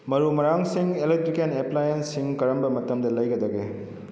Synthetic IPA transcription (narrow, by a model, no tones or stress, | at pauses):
mɐɾumɐɾaŋsiŋelek̚tɾikeneplajensːiŋkɐɾɐmbɐmɐtɐmdɐlɐjɡɐdɐɡe